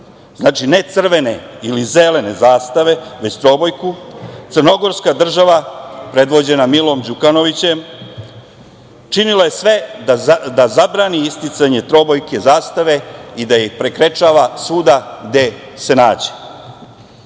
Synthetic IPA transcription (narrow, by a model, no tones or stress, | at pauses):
znaːt͡ʃine̞t̪sr̩ʋe̞ne̞ilize̞le̞ne̞zaːst̪aʋe̞ʋe̞t͡ɕt̪ɾo̞bojkut̪sɨrno̞ɡo̞ɾskad̪r̩ʒaʋapɾe̞d̪ʋo̞d͡ʑe̞namilˠo̞md͡ʑukano̞ʋit͡ɕe̞m | t͡ʃinilaje̞sʋe̞ | d̪azabɾaːniist̪it̪saɲe̞t̪ɾo̞bo̞jke̞zaːst̪aʋe̞id̪ajixpɾe̞kɾe̞t͡ʃaːʋasuːd̪aɡd̪e̞se̞naːd͡ʑe̥